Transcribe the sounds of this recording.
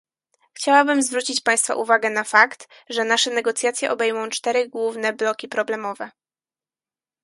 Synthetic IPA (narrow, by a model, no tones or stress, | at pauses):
xt͡ɕawabɘmzvɾut͡ɕit͡ɕpaj̃st̪fa̰ʔuvaɡɛnafakt̪ | ʐɛnaʂɛnɛɡɔt̪sʲjat̪sʲjɛʔɔbɛjmɔ̃w̃t͡ʂt̪ɛɾɘɡwuvnɛblɔkʲipɾɔblɛmɔvɛ